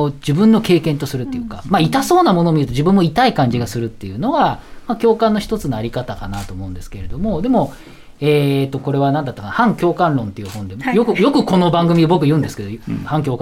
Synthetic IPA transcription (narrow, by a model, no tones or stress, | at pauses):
od͡ʑibɯ̟̃nːo̞ke̞ːkẽ̞nt̪o̞sɨɾɯ̟t̪ːejɯ̟ka̰mait̪asoːnamo̞noːmʲiɾɯ̟t̪o̞ʑibɯ̟̃mːo̞it̪aikãɲ̟d͡ʑiɡasɨɾɯ̟t̪ːe̞jɯ̟no̞βamakʲo̞ːkãnːo̞çi̥t̪o̞t͡sɨnoaɾʲikat̪akanat̪o̞ːmo̞ɯ̟̃nd̪e̞sɨ̥ke̞ɾe̞d̪o̞mo̞d̪e̞mo̞ | eːt̪ːo̞ko̞ɾe̞βanãnd̪at̪ːakanahãŋkʲo̞ːkãnɾõ̞nt̪ːe̞jɯ̟hõ̞nd̪e̞jokɯ̟jo̞kɯ̟ko̞no̞bãŋɡɯ̟mʲid̪obo̞k̬ɯjɯ̟ːnd̪esɨ̥ke̞d̪ohãŋk̬ʲo̞ːka